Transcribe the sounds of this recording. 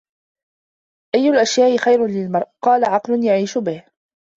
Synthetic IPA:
ʔajːʊlʔaʃjaːʔɪxajɾʊnlɪlmɑɾˤqɑːlaʕɑqlʊnjaʕiːʃʊbɪh

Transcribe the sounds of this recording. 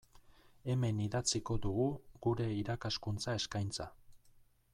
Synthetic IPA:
e̞me̞niðat͡siko̞d̪uɣuɣuɾe̞iɾakaskunt͡sae̞skajnt͡sa

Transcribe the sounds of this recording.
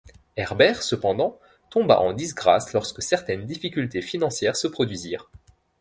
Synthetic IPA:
ɛʁbɛʁsəpɑ̃d̪ɑ̃ | t̪ɔ̃ba̰ʔɑ̃d̪isɡʁaslɔʁskəsɛʁt̪ɛnd̪ifikʲylt̪efinɑ̃sjɛːʁsəpχɔd̪ɥiziːʁ

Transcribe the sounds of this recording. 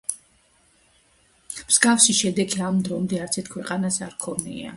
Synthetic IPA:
mz̥ɡafʃiʃɛd̪ɛɡʰiamd̪ɾɔmd̪ɛaɾt̪sʰɛt̪̚kʰwɛqʼanasaɾkʰɔnḭa̰

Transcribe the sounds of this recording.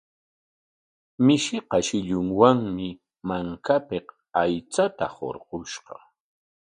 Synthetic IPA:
mɪʃɪqɑʃɪʎʊŋwaŋmɪ | maŋkapeq | ajt͡sat̪aho̰ɾɢoʃɢɑ̰

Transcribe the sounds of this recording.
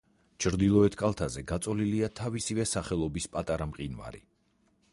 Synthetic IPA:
t͡ʃʰɾd̪ilˠɔɛt̪ʰkʼalˠt̪ʰazɛɡat̪sʼɔliliat̪ʰavisivɛsaχɛlˠɔbispʼat̪ʼaɾamqʼinva̰ɾḭ

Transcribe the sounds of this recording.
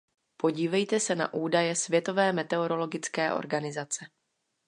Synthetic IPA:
po̞ɟiːvɛjt̪ɛsɛna̰ʔuːdajɛsvjɛt̪o̞vɛːmɛt̪ɛoɾo̞lo̞ɡɪt͡skɛːʔo̰ɾɡanɪzat͡sɛ

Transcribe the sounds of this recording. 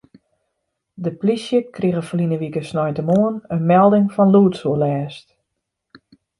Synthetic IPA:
dəplisjəkriɣəfəlinəʋikəsnɔjtəmoənənmɛlˠdɪŋfɔnluːtsuəlɛːst

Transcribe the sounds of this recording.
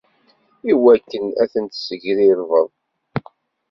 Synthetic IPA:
iwækːənæθənt̪səʝɾiɾvəðˤ

